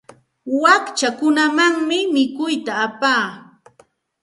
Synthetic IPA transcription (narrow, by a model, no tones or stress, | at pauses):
wakt͡ʃakʊnamaŋmɪmɪkʊjt̪aːpaː